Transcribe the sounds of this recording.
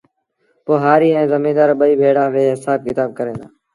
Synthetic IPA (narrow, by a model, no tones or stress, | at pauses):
poːɦaːɾiːɛ̃ːzəmĩːd̪aːɾɓəiːbʱeːɽãːʋeːɦɪsaːb̚kɪt̪aːb̚kəɾẽːd̪aː